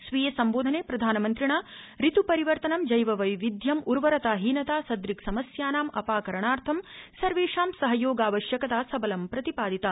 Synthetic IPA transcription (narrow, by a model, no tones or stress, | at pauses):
sʋijeːsɐmboːd̪ʱɐneːpɾɐd̪ʱaːnɐmɐnt̪ɾiɳɐ | ɾit̪upɐɾiʋɐɾt̪ɐnɐmd͡ʒɐjʋɐʋɐjʋid̪ʱjɐmuɾʋɐɾɐt̪aːɦiːnɐt̪aːsɐd̪ɾiksɐmɐsjaːnaːmɐ̰paːkɐɾɐɳaːɾt̪ʰɐmsɐɾʋeːʂaːmsɐɦɐjoːɡaːʋɐʃjɐkɐt̪aːsɐbɐlɐmpɾɐt̪ipaːd̪it̪ɐ